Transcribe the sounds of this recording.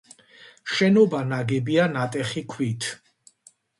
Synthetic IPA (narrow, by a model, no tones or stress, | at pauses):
ʃɛnɔbanaɡɛbianat̪ʼɛχikʰwit̪ʰ